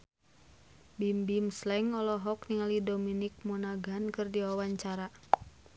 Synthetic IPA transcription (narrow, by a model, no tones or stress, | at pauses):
bimbimslɛŋɔlɔɦɔkniŋalidominik̚munaɡankɨrdiwawaɲt͡ʃaɾa